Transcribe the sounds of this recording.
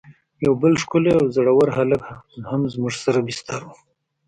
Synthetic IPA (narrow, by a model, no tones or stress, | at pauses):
jawbəlʂkʊleawzaɽawaɾhalakhamzmʊʐsaɾabɪst̪aɾu